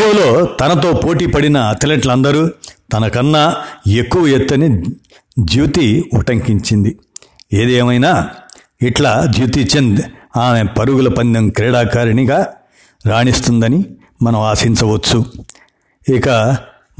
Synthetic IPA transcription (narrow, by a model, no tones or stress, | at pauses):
ulo̞ːt̪ɐnɐt̪o̞ːpo̞ːʈiːpɐɽinɐːt̪ɐleʈlɐnd̪ɐɾuːt̪ɐnɐkɐnːaːe̞kːuʋɐjet̪ːɐni | d͡ʒiːt̪iuʈɐŋkiɲt͡ʃind̪i | eːd̪eːmɐjnaː | iʈlaːd͡ʒiːt̪it͡ʃːend̪aːmepɐɾuɡulɐpɐnd̪ɐmkɾɛːɽaːkaːɾɐniɡaː | ɾaːɳist̪und̪ɐni | mɐnɐ̃maːsiɲt͡ʃɐʋɐt͡ʃːu | ikɐ